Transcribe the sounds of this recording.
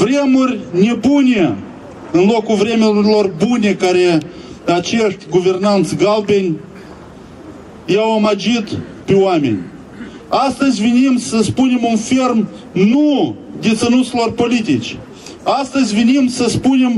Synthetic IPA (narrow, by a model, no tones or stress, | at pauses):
vɾʲemorʲnʲebunʲe | ɨnlˠokʊvɾʲemʲəlˠorbunʲekaɾʲe | at͡ʃeʂt̪ʲɡʊvʲernant̪sɡalˠbʲenʲ | jawomad͡ʒit̪ | pʲuamʲḛnʲ | ast̪əzʲvʲɪnʲimsəspunʲɪmomfʲerm | nud̪ʲɪt̪sənuslˠorpolʲit̪ʲit͡ʃ | ast̪əzʲvʲɪnʲimsəspunʲem